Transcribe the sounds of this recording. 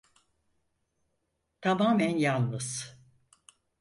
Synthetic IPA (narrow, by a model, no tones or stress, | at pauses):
t̪ʰamaːmænjalˠːɯz̥